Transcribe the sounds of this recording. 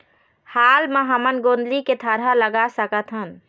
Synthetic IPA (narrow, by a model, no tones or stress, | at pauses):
halmeɦəmənɡond̪liket̪ʰəɾələɡasəkət̪ʰɦən